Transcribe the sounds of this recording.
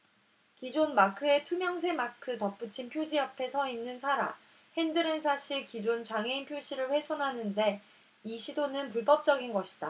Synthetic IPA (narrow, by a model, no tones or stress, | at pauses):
kid͡ʑonmakʰɯe̞tʰumjʌŋs̬ʰe̞makʰɯtʌp͈ɯt͡ɕʰinpʰjod͡ʑiapʰe̞sʰʌinːɯnsʰaɾa̰ | he̞ndɯɾɯnsʰaɕʰiɭkid͡ʑont͡ɕaŋɦe̞inpʰjoɕʰiɾɯɭɸwe̞sʰʌnɦanɯnde̞ | iɕʰidonɯnpuɭpʌp̚t͡ɕ͈ʌɡinɡʌɕʰi̥d̥a